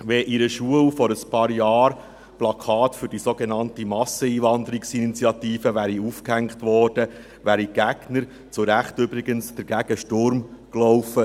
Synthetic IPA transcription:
ʋɛʔiɾəʃuəwfɔɾəspɑːɾjɑːɾ | plɑkʰɑːtfʏɾd̥isoɡenɑntimɑsːəiːʋɑnd̪əɾiksinit͡sjɑtiːfəʋæːɾiufkhæŋkχtʋɔːrd̥ə | ʋæːɾiɡ̥æɡ̥nəɾ | t͡sʊɾæχtʏbɾiɡənsd̥əɾɡ̥æɡ̥əʃtʊɾmklɔʊfə

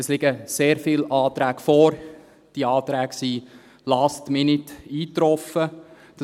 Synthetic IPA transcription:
ɛslɪɡ̥əseːɾfɪlɑːt̪ɾæːɡ̥fɔːɾ | d̥iɑːt̪ɾæːɡ̥si | lɑstmɪnɪdiːtɾɔfə | d̥ɑ

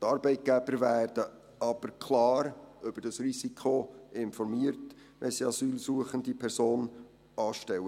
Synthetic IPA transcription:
tɑɾbɛɪt̚ɡ̥æb̥əɾvæːɾd̥ə | ɑb̥əɾkʰlɑːɾʏb̥əɾd̥ɑsrisikʰχoʔɪnfɔɾmiːəɾt | ʋɛ̰siɑsyːlsuəχəndipʰɛɾsoːn | ʔɑːʃtɛwə

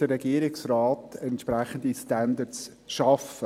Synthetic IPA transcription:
d̥əːɛɡiəɾɪksraːtɛntʃpɾɛχən̩distandəts | ʃɑfə

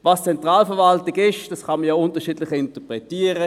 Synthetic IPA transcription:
vɑːst͡sɛntʁaːlfəɐʁvɑltɪɡɪʃd̥ɑsχɑnməjaʊntəɐʃiːdlɪχɪntəpʁɛtiːəʁə

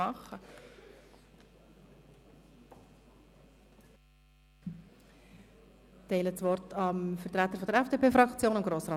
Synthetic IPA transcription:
ɑχə | tɛɪlət͡sʋɔrtɑmfəɾt̪ɾæt̪ːəɾfɔd̪əɾɛfd̥eːpeːfɾɑkt͡sjoːnʊmɡɾoːsɾɑː

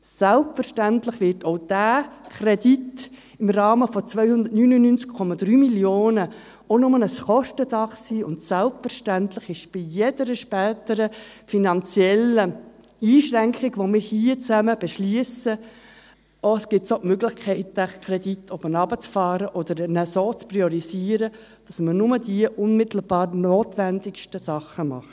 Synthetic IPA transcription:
sælpfəɾʃtæntlɪχʋɪɾtʰoʊd̥æːkʰɾɛdit | ɪmɾɑːməfɔt͡sʋœʏhʊnd̪ətnyːnunynt͡skkʰɔmɑd̥̪ɾyːmiljoːnə | onʊmənəsχɔʃtəd̥ɑχsiːʊntsælpfəɾʃtæntləχɪʃb̥ijed̥əɾəʃpɛːtəɾə | finɑnt͡sjɛlə | iːʃɾæŋkχɪɡ̥ʋomɪːɾhiət͡sæməb̥ɛʃliəsə | oəsɡ̥ɪtsoʔmøɡlɪχkʰɛɪtæχkʰɾɛditʰɔbənɑbət͡sfɑːɾəʔɔd̪əɾnɛsoːt͡spɾiɔɾiziːəɾə | d̥ɑsmənʊməd̥iəʔʊnmɪtl̩b̥ɑːɾnoːtʋændɪkʃtəsɑχəmɑ̰χt

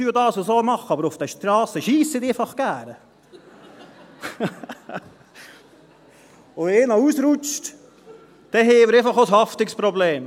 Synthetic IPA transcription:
yːdɑːsosoːmɑχəɑbəɾofd̥̪ɛʃtɾɑːsəʃiːsəd̪efɑχɡ̥æːɾə | oeːnɔuːsɾʊt͡ʃt | d̪̥ɛɦeːməɾɛfɑχoshɑft̪ɪkspɾɔbleːm

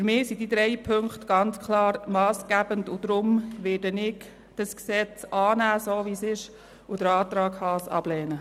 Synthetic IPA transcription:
fyɾmɪːsidid̪ɾɛjpʰøŋktɡ̥ɑnt͡skʰlɑːɾmɑːsɡ̥æbəndʊd̥̪ɾʊmʋɪːdənɪɡ | d̥ɑsksɛt͡sɑːnæːsoːʋisɪʃ | ʊdəɾɑːt̪ɾɑːɡhɑːsɑ̰b̥lɛːnə

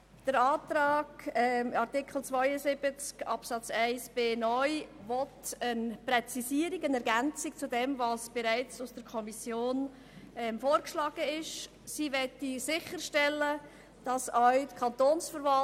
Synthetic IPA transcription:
d̥əɾɑːtɾɑːɡɛɑɾtɪkχl̩t͡svœjəzɪb̥ət͡skɑpsɑt͡sæɪsb̥eːnɔʏvɔtənprɛt͡sisiəɾikənɛɾɡænt͡sik̚t͡sudɛmvɑːsb̥eɾæɪt͡sʊsd̥əɾkʰɔmisjoːn | ɛmfoːɾkʃlɑːɡ̥əɪʃ | siːʋɛtːisɪçəɾʃtɛlːə | d̥ɑsœɥtkʰɑntoːnsfəɾvɑ

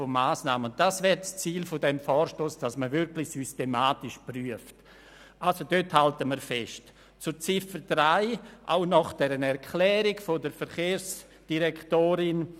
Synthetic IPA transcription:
fomaːsnaːməʊn̚d̥asvɛːɾst͡siːlfodɛmfɔːɾʃtoːsd̥asməvɪɾklɪçsystemaːtɪʃpryəft | ʔalsodøthaltəməɾfɛst | t͡sʊt͡sɪfəɾdɾaɪʔa̰ʊnɔχd̥ɛɾənɛɾkʰlɛːɾɪɡfodəɾfɛɾχeːɾs | d̥iɾɛktoːɾɪn

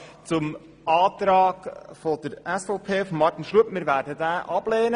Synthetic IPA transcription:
t͡sʊm | ɑːtɾaːɡfɔdəɾɛsfoʊpʰeːfɔmːɑɾtinʃruəpmɪːɾvæːɾdədæːʔɑb̥lɛːnə

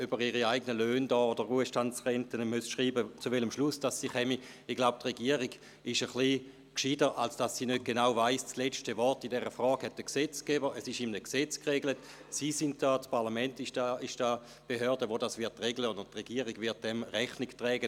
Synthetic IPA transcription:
ybəʁiʁiaɪɡənəløːndɔːod̥əuəʃtantsʁɛntənəmøsʃʁiːbət͡suvɛləmʃlusd̥asːiːχɛmi | iɡ̥laʊp̚tʁeɡiəʁiɡ | ɪʃəχli | kʃidəʔalsd̥asːinøt̚ɡ̥enaʊvaɪsslet͡ʃtəvɔʁtidɛʁəfʁɔːɡ̥hɛt̚d̥əkset͡skɛbəʁəsɪʃimnəkset͡skʁeɡlət | sisint̚d̥aːspʰaʁlamɛntɪʃd̥aɪʃd̥aː | b̥eɦøɐdəʋodasvɪɐtːʁeɡləontʁeɡiəʁiɡvɪɐt̚d̥ɛmʁɛχniktʁɛːɡə

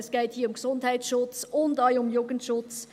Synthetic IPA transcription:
sɡ̥ɛɪthiːɐʊmksʊndhɛɪt͡sʃʊt͡sʊndɑɪʊmjoːɡəntʃʊt͡s

